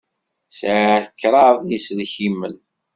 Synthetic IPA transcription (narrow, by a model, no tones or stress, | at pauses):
sʕkːɾˤɑðˤjisðçimːən